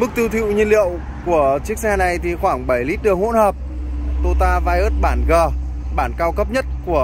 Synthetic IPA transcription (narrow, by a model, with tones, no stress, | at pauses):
mɨ˦˥k̚t̪i˧əwt̪ʰḭ˧˨wɲi˧əlḭ˧˨əw | ku˧˩ət͡ɕi˦˥ək̚sɛ˧na˨˩jt̪ʰi˨˩xwaː˧˩ŋɓə˧˩jli˦˥t̚ɗɨ˨˩əkho̰˧˥nhəː˨˩p̚ | t̪o˧t̪aː˧vaː˧jʔəː˦˥t̚ɓaː˧˩nɣəː˨˩ | ɓaː˧˩nkaː˧wkə˦˥p̚ɲə˦˥t̚ku˧˩ə